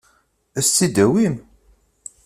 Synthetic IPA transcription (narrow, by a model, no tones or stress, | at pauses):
æst̪ːid̪æwin